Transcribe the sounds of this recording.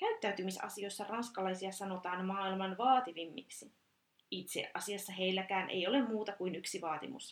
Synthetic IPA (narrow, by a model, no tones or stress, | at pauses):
kæyt̪ːæyt̪ymisɑ̰sio̞jsːɑrɑnskɑlɑjsiɑsɑno̞t̪ɑːnmɑːilmɑnʋɑːt̪iʋimːḭksi | it̪sḛʔɑsiɑsːɑɦe̞ilːækæːnʔḛjo̞lemmuːt̪ɑkuinyksiʋɑːt̪ḭmṵs